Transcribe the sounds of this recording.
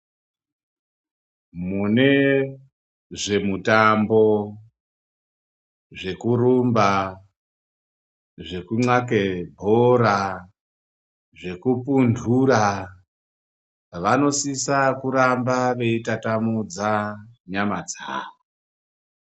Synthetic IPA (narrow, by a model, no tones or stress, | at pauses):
mune̞ | ʐe̞mutambo̞ | ʐe̞kurumba | ʐe̞kuŋ͡ǀake̞bʱoɾa | ʐe̞kupundʱura | ʋano̞sisakuɾambaʋe̞itatamud͡zaɲamad͡za̰ːʋo